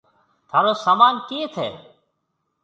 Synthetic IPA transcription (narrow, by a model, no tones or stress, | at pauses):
t̪ʰaːɾoːsaːmaːnkẽːt̪ʰɛ̰ː